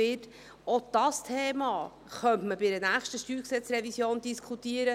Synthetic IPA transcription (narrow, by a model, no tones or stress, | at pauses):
ɪt | od̥ɑstʰeːmɑː | χœntməbɪɾənæːχʃtəʃtyːksɛt͡srɛvisjoːnd̥iskʰχut̪iəɾə